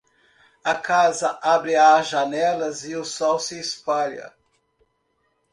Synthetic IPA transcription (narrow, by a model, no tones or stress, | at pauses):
ɐkazɐʔabɾɪaʒanɛlɐzɪʊsɔwsɪːspaʎɐ̰